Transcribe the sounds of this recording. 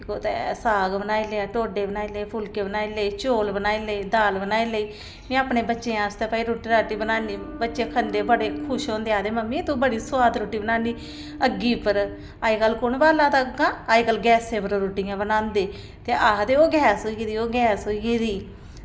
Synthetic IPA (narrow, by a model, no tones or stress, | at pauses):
koːt̪esaːɡbənaːiːleːãːʈoːɖeːbənaːiːleːpʰʊlkeːbənaːiːləiːt͡ʃoːlbənaːiːləiːd̪aːlbənaːiləiː | mĩːaːpneːbətːʃẽːãːst̪eːpaːiːɾoːʈiːɾaːʈiːbənaːniː | bətːʃeːkʰənd̪eːbəɽeːkʰʊʃɦõːnd̪eːaːd̪eːməmːiːt̪uːbəɽiːsʊwaːd̪ɾoːʈːiːbənaːniː | əɡːiːpəɾ | aːiːɡəlːkʊɳbaːlaːt̪aɡãːaːiːɡəlɡɛːsẽːpəɾoɾoːʈijãːbənãːnd̪eː | t̪eːʔaːt̪eːoːɡɛːsoːiɡiːd̪iːoːɡɛːsoːiɡeːd̪iː